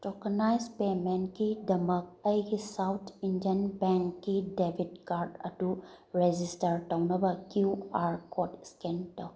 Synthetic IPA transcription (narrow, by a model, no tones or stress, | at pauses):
tɔkanajzpemenkidɐmɐk̚ɐjɡisawt̪ʰindiənbeŋkːidebʱitkaɾdɐ̰du | ɾed͡ʒistɐɾtawnɐbakjuaɾkɔtskentaw